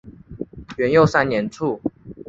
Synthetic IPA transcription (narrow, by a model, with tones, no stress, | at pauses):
ɥɛ˨˦njo˥˨ʊsa˥˦nnjɛ˨˦nʈ͡ʂʰu˥˨